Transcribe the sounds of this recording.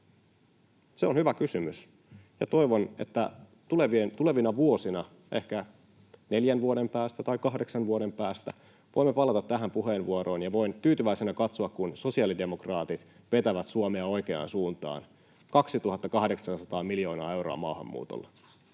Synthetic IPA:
seonhyʋækysymys | jɑt̪o̞iʋone̞̰t̪ːæ | t̪uleʋient̪ule̞ʋinɑʋuo̞sinɑ | ʔe̞hkæ | neljænʋuodempæːst̪æt̪ɑikɑɦdeksɑnʋuoɾe̞mpæːst̪æ | ʋʔo̞imːepɑlɑt̪ɑt̪ːæɦæmpuɦe̞ːnʋuoɾo̞ːnjɑʋo̞int̪yːt̪yʋæisenækɑt̪soɑkkunso̞siɑːlide̞mokrɑːt̪it̪ | ʋet̪æʋæt̪suomeɑo̞jkeɑ̰ːnsuːnt̪ɑ̰ːn | kɑksit̪uɦɑt̪ːɑkɑhdeksɑnsɑt̪ɑːmiljo̞ːnɑːe̞wɾo̰ɑ̰mɑːhɑ̰mːṵːt̪o̰lːɑ

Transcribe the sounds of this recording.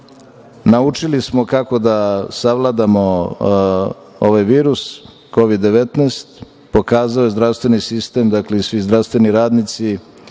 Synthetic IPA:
naut͡ʂilismo̞kako̞d̪asaʋlˠad̪amo̞ | o̞ʋajʋiːɾus | ko̞ʋid̪ːe̞ʋet̪neːst̪ | pokaːzaojezdɾaʋst̪ʋenisist̪e̞md̪akleisʋizd̪ɾafst̪ʋe̞niɾaːd̪nit̪si

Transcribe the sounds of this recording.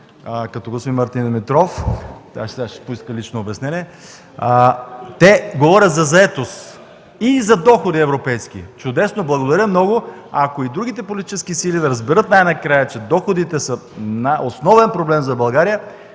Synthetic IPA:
kɐt̪ɔɡosvimɐɾt̪ind̪mɛt̪ɾɔft̪a̰ʃaʃpoiskəlit͡ʃnoːbɛsnɛniɛ | t̪ɛɡovɔɾʲət̪zɐzɐɛt̪os | izɐd̪ɔxod̪iɛvɾopɛjsk̟ḭt͡ʃʊd̪ɛsnoblˠɐɡod̪ɐɾʲəmnɔɡo | akoid̪ɾuɡ̟it̪ɛpolit̪it͡ʃɛsk̟isilid̪ɐɾɐzbɛɾɤt̪najnɐkɾajət͡ʃɛd̪ɔxod̪it̪ɛsənaosnɔvɛnpɾoblɛmzɐbɐlˠɡaɾijə

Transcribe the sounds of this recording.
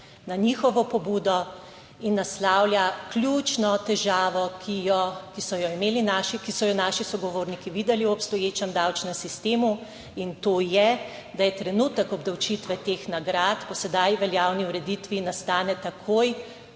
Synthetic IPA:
naniːxɔʋɔpɔbuːd̪ɔ | inːaslawljaklʲjuːt͡ʃnɔt̪ɛʒaːʋɔkʰijɔkisɔjɔimeːlinaʃikisɔjɔnaːʃisɔɡɔʋoːɾnikiʋid̪ɛliwɔpst̪ɔjeːt͡ʃɛmd̪awt͡ʃnɛmsist̪eːmu | int̪oːjɛ | d̪ajɛt̪ɾɛnuːt̪əkɔbd̪ɐwt͡ʃit̪ʋɛt̪eːxnaɡɾaːt̪pɔsɛd̪ajʋɛljaːwniuɾɛd̪it̪ʋinast̪aːnɛt̪akʰoːj

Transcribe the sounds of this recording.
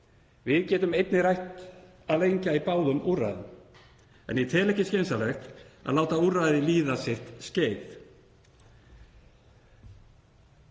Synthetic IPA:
vɪðcɛːt̪ʏmejt̪nɪɾajht̪ | aðlejɲcaipaːwðʏmʔuːra̰jðɪm | ɛ̰njɪt̪ʰɛːlɛhcɪsceːnsalɛxt̪a̰laːwt̪auraðɪliːðasɪht̪sceːjθ

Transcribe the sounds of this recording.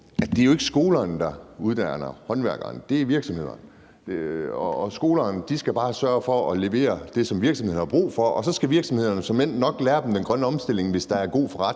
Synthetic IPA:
æd̥e̝æjoe̝ɡ̥ə̥sɡ̥o̝ːlɐːnd̥ɑ̈uð̞ˠd̥ænɐhɒ̽nʋæɐɡ̥ɐnd̥e̝æʋiɐɡ̥sɒ̽mhe̝ð̰ˠɐn | ɒːsɡ̥o̝ːlɐːnd̥isɡ̥æb̥ɑ̈ːsɶɐfɒ̽ɒ̽le̝ʋe̝̰ːɐd̥e̝sɒ̽mʋiɐɡ̥sɒmhe̝̰hɑb̥ʁṵːfɒ̽ʔɒ̽sɒ̽sɡ̥æʋiɐɡ̥sɒ̽mhe̝ð̰ˠɐnəsɒ̽men̰d̥nɒ̽ɡ̥læːɐd̥em̩d̥enɡ̥ʁɶnəɒ̽msd̥e̝l̰e̝ŋʋe̝sd̥ɑ̈æɐɡ̥o̝̰ːfɒ̽ʁɑd̥

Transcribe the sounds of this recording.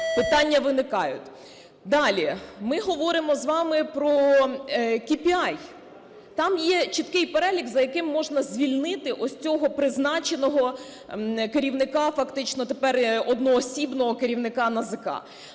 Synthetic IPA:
pɪt̪ɑnʲːɐʋɪnɪkɑjʊ̰t̪ʲ | d̪ɑlʲimɪɦɔʋɔɾɪmɔzʋɑmɪpɾɔ | kʲipʲiɑj | t̪ɑmjɛt͡ʃit̪kɪjpeɾɛlʲiɡzɐjɐkɪmːɔʒnɐzʲʋʲilʲnɪt̪ɪʔɔsʲt͡sʲɔɦɔpɾɪznɑt͡ʃenɔɦɔ | keɾʲiwnɪkɑfɐkt̪ɪt͡ʃnɔt̪epɛrɔd̪nɔːsʲibnɔɦɔkeɾʲiwnɪkɑnɐzɪkɑ̰

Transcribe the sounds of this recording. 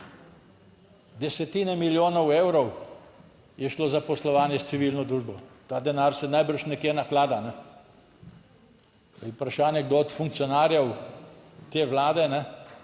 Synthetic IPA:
d̪ɛsɛt̪iːnɛmiljoːnɔweːwɾɔw | jɛʃloːzapɔslɔʋaːnjɛst̪siʋilnɔd̪ɾuːʒbɔt̪aːd̪ɛnaɾsɛnajbəɾʃnɛkjenaxlaːd̪anɛ | upɾaʃaːnjɛɡd̪oɔt̪fuŋk̚tsijɔnaːɾjɛw | t̪eːʋlaːd̪ɛnɛ

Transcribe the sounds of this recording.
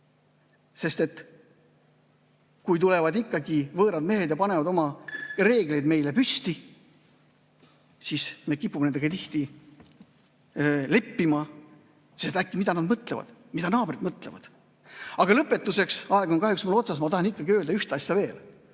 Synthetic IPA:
se̞st̪e̞t̪ː | kujt̪ule̞vɑd̪ikːɑɡivɤːɾɑd̪̚me̞ɦe̞d̪jɑpɑne̞vɑd̪o̞mɑre̞ːɡle̞jd̪me̞jle̞pyst̪i | sisme̞kipːumenend̪eɡet̪iht̪i | le̞pːimɑ | se̞st̪ækːimid̪ɑnɑd̪mɤt̪levɑ̰d̪̥mid̪ɑnɑːbrid̪mɤt̪ˑle̞̰vɑ̰d̪̥ | ɑɡ̥ɑlɤpːˑe̞t̪ːuse̞ksɑeɡ̥onkɑɦyksmulːo̞t̪sɑs̬mɑt̪ɑhɑnikːɑɡiøːld̪ɑyht̪eɑsjɑve̞ːl

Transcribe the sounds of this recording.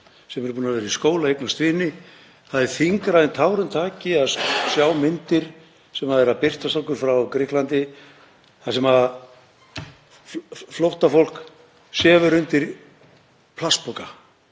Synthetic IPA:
sɛmɛɾpuːnavɛːɾaiskoːwlaejknast̪vɪːnɪ | θaðɛɾ̥θiŋkɾaðɪnt̪ʰaːwɾʏnt̪ʰaːcɪaðsjaːwmɪnt̪ɪɾ̥ | sɛmaðɛɾaðpɪr̥t̪ast̪ɔhkːʏɾ̥fɾawkɾɪhklant̪ɪ | θasɛmhað | flɔht̪afowl̥k | sɛːvʏɾʏnt̪ɪɾ | pʰlaspɔka

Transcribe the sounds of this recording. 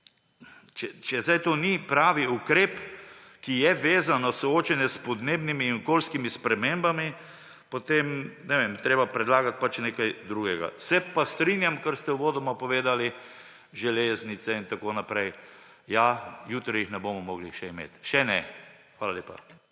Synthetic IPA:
t͡ʃɛt͡ʃɛzajt̪oːnipɾaːʋiukɾeːpkijɛʋeːzanasɔoːt͡ʃɛnjɛspɔd̪neːbnimiːnɔkoːlskimispɾɛmembami | pot̪emnɛʋemt̪ɾeːbapɾɛd̪laːɡat̪̚pat͡ʃneːkajd̪ɾuːɡɛɡa̰sɛpast̪ɾinjamkəɾst̪ɛwʋoːd̪ɔmapɔʋeːd̪ali | ʒɛleːznit̪sɛint̪akonapɾɛj | jajuːt̪ɾijixnɛbomɔmɔːɡliʃɛimḛːt̪ʃɛnɛ | xʋaːlaljeːpa̰

